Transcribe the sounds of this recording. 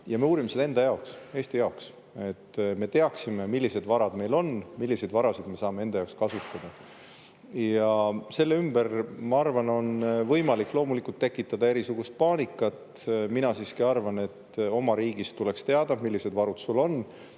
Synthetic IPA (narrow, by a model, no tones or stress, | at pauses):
jɑme̞uːɾimesed̪end̪ɑjɑokse̞ːst̪ijɑoks | e̞t̪ːme̞t̪e̞ɑksime̞milːise̞d̪vɑɾɑd̪me̞jlo̞nmilːise̞d̪vɑɾɑsid̪̥me̞sɑːme̞e̞nd̪ɑjɑokskɑsut̪ːˑɑd̪̥ɑ | jɑse̞lːeymb̥ermɑɑrvɑno̞nvɤjmɑlikːˑlo̞ːmulikːult̪ːe̞kːˑit̪ːˑɑd̪ɑe̞ɾisuɡ̥ust̪̚pɑːnʲikːˑɑt̪minɑsiːskiɑrvɑne̞t̪ːo̞mɑɾiːɡ̥ist̪ːule̞kst̪e̞ɑd̪̥ɑmilːise̞d̪vɑɾud̪sulo̞nː